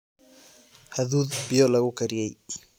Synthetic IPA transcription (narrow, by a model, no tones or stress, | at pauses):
hɐðuːðbɪjɔlɐɣʊkʰɐɾɪjɛj